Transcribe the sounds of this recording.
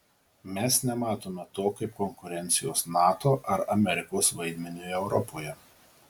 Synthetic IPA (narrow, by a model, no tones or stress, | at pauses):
mʲɛsnʲɛmɑːt̪oːmʲɛt̪oːkɐɪp̚kɔŋkʊɾʲɛnʲt̪sʲɪjoːsnɑːt̪oːʔɐɾɐmʲɛɾʲɪkoːsʋɐɪd̪ʲmʲɛnʲuɛʊɾɔpʰoːjɛ